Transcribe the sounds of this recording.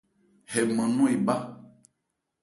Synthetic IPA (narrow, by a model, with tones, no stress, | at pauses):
hɛ˨mɛ̃˨nũ˦e˨ba˦